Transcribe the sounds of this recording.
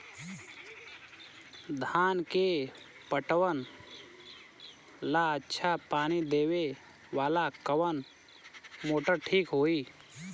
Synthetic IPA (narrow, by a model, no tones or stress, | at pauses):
d̪ʱaːnke | pəʈwən | laətːʃʰapaːnid̪eːwe | ʋaːlakəʋən | moːʈəɾʈʰiːkɦoːiː